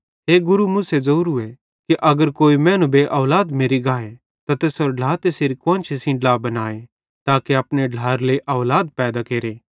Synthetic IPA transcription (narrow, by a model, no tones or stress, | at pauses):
ɦeːɡʊɾumuːsezɐuːɾuɛ | kiʔɐɡəɾkoːimɛ̃ːnũbeʔɔːlaːd̪meːɾiɡaːe | t̪at̪eːsɔɾɖʱaːt̪eseɾikʋãːnt͡ʃʰisɪ̃ɖlaːbɐnaːe | t̪aːkeɐpneɖʱaːɾleiʔɔːlaːd̪̚pɛːd̪akeːɾeː